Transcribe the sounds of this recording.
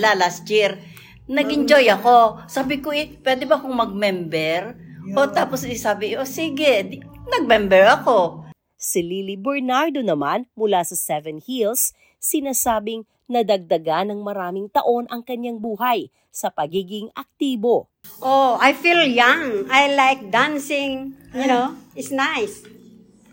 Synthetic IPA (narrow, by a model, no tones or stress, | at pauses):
lalast̪̚jiɾ | nɐɡʔɪnd͡ʒojɐko̞saːbɪkoʔɛpwɛd̪ɛbɐkoŋmɐɡ̚mɛmbɛɾʔot̪aːposɪsasaːbɪʔosiɡɛd̪nɐɡ̚mɛmbɛɹɐko̞ | sɪlilibɛɹnaɹd̪o̞nɐmanmʊlasɐsɛvɛnhilsː | ɪnaːsaːbɪŋ | nɐd̪ɐɡ̚d̪ɐɡanɐŋmɐɾaːmɪŋt̪ɐʔo̞nʔɐŋkɐɲaŋbuːɦɐj | sɐpɐɡiːɡɪŋɐk̚t̪iːbo̞ | ʔoajfiljaŋajlajk̚d̪ãnsɪ̃ŋjʊnoɪtsnajs